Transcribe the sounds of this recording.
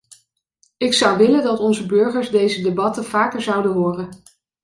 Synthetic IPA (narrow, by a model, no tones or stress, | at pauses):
ɪksʌwʋɪləndɑtɔnzəbɵɹχəɹzdejzədebɑtənv̥aːkəɹzʌwdənɦʊːrən